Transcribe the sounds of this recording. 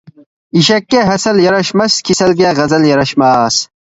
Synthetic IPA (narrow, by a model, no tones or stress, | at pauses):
iɕɐkːeɦɐsɐljɐɾɐɕmɐskʰisɐlɡeːɣɐzɐljɐɾɐɕmas